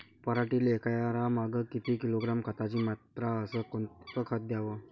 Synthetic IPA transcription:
pəɾaʈiːlekajaɾamaɡəkit̪ʰikiloɡɾamkʰat̪at͡ɕiːmat̪ɾaəsəkokəkʰət̪̚d̪jaʋə

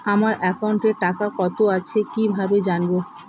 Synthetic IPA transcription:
amaɾʔɛkauɳʈeɾʈakakɔt̪oat͡ɕʰekibʱabed͡ʑanbo

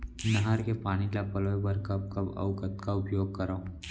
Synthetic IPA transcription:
nɐɦaɾkepaːnilapɐloːjbɐɾkɐb̚kɐbɐ̰ʊkət̪kaʊpjoːɡ̚kɐɾaː

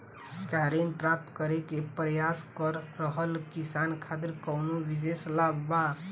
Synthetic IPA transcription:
kaɾenpɾap̚t̪kəɾekepɾəjaskəɾːəɦəlkisankʰat̪iɾkəwnobideslabba

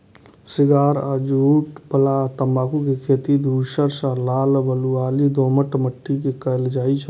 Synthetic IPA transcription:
sɪɡaːɾad͡ʒuːʈpəlat̪əmaːkukekʰeːt̪id̪ʱuʃəɾsəlaːlbəluaːlid̪oːməʈməʈːikekəjld͡ʒaːit͡ʃʰə

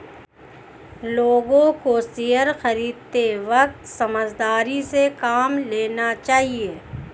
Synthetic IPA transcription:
loːɡõkosiɦəɾxɐɾiːd̪̚t̪eʋɐk̚t̪sɐməd͡ʒd̪aːɾisekaːmleːnat͡ʃaːɦieː

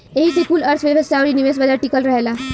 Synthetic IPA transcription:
eɦiːt̪epuːləɾt͡sʰʋəʋəst̪ʰaʋɾiːniʋes̬ʋəd̪aʈikəlɾəɦela

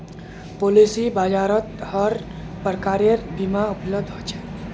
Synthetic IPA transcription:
polisibad͡ʒaɾʌt̪hʌɾ | pəɾkaɾeɾbimaupləb̚d̪ʱɦot͡ʃʰɛ

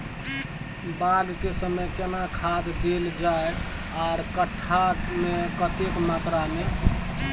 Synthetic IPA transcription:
balkesəməjkenakʰad̪d̪eld͡ʒae | aɾkəʈʰːaʈmekət̪ekmat̪ɾame

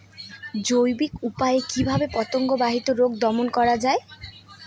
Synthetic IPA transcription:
d͡ʑojbikupaeekibʱabepɔt̪oŋɡobaɦit̪oɾoɡd̪ɔmonkɔɾad͡ʑae

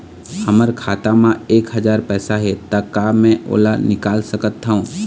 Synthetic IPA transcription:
hɐməɾkʰaːt̪amãeːkɦɐd͡ʒaːɾpɛːsaɦet̪akaːmɛ̃ʔo̰ːlanɪkaːlsəkət̪ːaɦũː

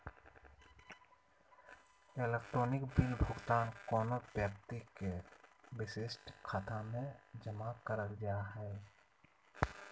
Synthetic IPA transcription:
elek̚ʈɾoːnɪkbɪlbʱʊɡt̪aːnkɔːnobjəp̚t̪ikebɪsɪsʈkʰaːt̪amẽd͡ʒəmakəɾəld͡ʒaɦɛː

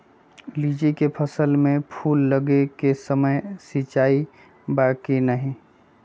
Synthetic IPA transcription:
liːd͡ʒikepʰəsəlmẽpʰuːlːəɡekesəməjsit͡ʃaːi | bakinəɦĩ

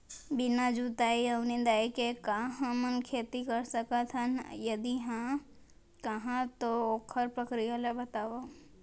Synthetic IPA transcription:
bɪnad͡ʒut̪aːiəʋned̪aːikekaɦãmənkʰeːt̪ikɐɾsəkat̪ʰənjɐd̪iɦã | kəɦãt̪ooːkʰəɾpɾəkɾijalebɐt̪aːʋo

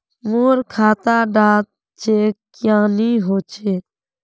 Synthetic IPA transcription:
moːɾkʰaːt̪aːɖaːt̪̚ | d͡ʒeːkjãːniːɦoːt͡ʃʰeː

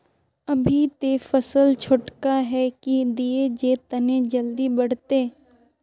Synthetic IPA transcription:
ɐbʱit̪efəsəlt͡ʃʰʊʈkaɦɛkid̪ied͡ʒeːt̪ɐnẽd͡ʒəld̪ibɐɽ̤t̪eː

